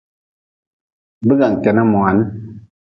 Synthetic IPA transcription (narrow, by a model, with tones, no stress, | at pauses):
bə˦ɡa˨ŋ˨kɛ˨na˦˨mwa˨˦n˦